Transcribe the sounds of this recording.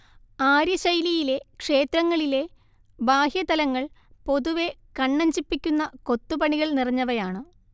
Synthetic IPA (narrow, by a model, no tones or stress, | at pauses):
aːɾjɐɕɐjlijile̞kʂe̞ːt̪ɾɐŋːɐɭile̞ | baːhjɐt̪ɐlɐŋːɐɭpo̞ðuʋe̞kɐɳːɐɲd͡ʑipːikʲːunːɐko̞t̪ːupɐɳiɣɐɭnirɐɲːɐʋɐjaːɳɨ